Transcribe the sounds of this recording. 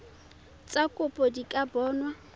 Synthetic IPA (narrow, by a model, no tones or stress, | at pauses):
t͡sʼakʼʊpʼodikʼabɔːnwa